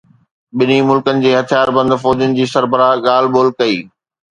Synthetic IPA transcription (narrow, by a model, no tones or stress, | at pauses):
ɓɪnimʊlkənɪ̆d͡ʑeːɦɐt̪ʰijaːɾbɐ̃nd̪fɔːd͡ʑʊnɪ̆d͡ʑiːsɐɾbəɾaɠaːlboːlkɐiː